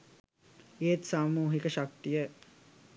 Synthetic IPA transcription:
eːt̪samuːɦikəʃak̚t̪ijə

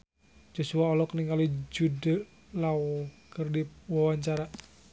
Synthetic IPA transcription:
d͡ʒosuaɔlɔkniŋalid͡ʒudə | laɔkərdiwawaɲt͡ʃaɾa

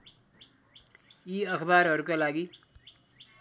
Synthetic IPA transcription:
jiʌkʰbaːɾɦʌɾukalaɡi

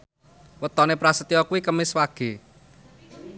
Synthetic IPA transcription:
wət̪ɔnepɾasət̪ijɔkuwikəmɪswaɡ̥e̤

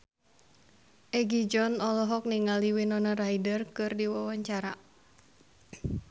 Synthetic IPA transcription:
ʔɛɡid͡ʒɔnɔlɔɦɔk̚niŋaliwinɔnaraidərkɨrdiwawaɲt͡ʃaɾa

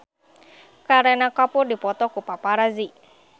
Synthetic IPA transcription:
kaɾenakapʊrdipɔt̪ɔkupapaɾazi

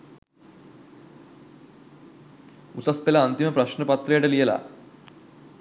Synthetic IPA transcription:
ut̪ɐspelaːnt̪iməpɾɐʃɳəpɐt̪ːɾɐjeʈelijɐla̰

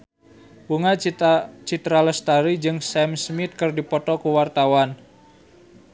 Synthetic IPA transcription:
buŋat͡ʃit̪ɾaləst̪aɾid͡ʒɨŋsɛmsmit̪̚kɨrdipɔt̪ɔkuwart̪awan

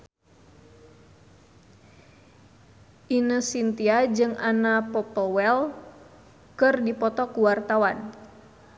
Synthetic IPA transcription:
ʔinəsint̪iad͡ʒɨŋanapɔpɔwɛl | kɨrdipɔt̪ɔkuwart̪awan

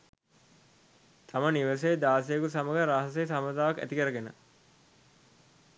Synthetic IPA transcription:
t̪ʰaməniʋəs̬ejd̪aːs̬ejkusaməɡəɾaɦɐsejsamət̪aːʋɐkæ̰t̪ikəɾəɡenə̰

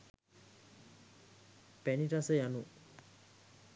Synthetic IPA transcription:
pɛniʈasəjanu

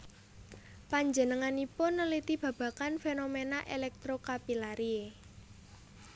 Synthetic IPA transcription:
paɲd͡ʒə̤nəŋanipʊnːəlit̪ib̥ä̤b̥ä̤kanfenomenaʔelɛk̚t̪ɾokapilaɾie

